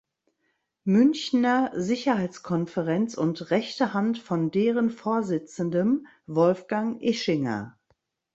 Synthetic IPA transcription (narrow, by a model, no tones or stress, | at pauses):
mʏnçnɐzɪçɐhaɪt͡skʰɔnfəʁɛnt͡sʊntʁɛçtəhantfɔndeːʁənfoːɐzɪt͡sən̩dən | vɔlfɡ̥aŋʔɪʃɪŋɐ̰